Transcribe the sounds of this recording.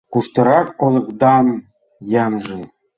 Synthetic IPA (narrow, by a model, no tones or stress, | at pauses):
kuʃt̪ɤ̆ɾɑk̚olˠɤ̆kd̪ɑm | jɑnʒĕ